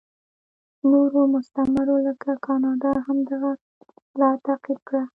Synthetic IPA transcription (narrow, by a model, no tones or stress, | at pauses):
noɾomʊst̪amaɾoləkakɑnɑd̪ɑɦamd̪aɣa | lɑt̪aqilkɽa